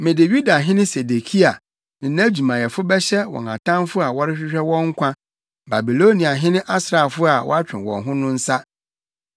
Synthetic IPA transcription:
mɪ̃˨dɪ˨ɥu˦da˨ɦɪ̃˦nɪ̃˦se˨de˨kʰi˦a˨ | nɪ̃˨nã˦d͡ʑu˨mã˨jɛ˨fʊ˦bɛ˦ɕɛ˦wɔ̰˨ŋã̰˨tʰã˦mfʊ˦a˨wɔ˦ɾɪ˦ɕᶣɪ˦ɕᶣɛ˦wɔ̃˦ŋ̩˦kʷʰã˦ | ba˨bi˨lo˦nĩ˨a˨ɦɪ̃˦nɪ̃˦ʔa˦sɾa˨fʊ˦a˨wɔ̰˦a˦t͡ɕᶣɪ̰̃˨wɔ̰̃˨nɦʊ̃˦nʊ̃˦n̩˦sa˦

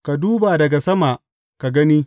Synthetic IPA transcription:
ka˨duː˦ba˨dɐ˨ɡa˨sɐ˦ma˨ʔ | ka˨ɡɐ˦niː˦

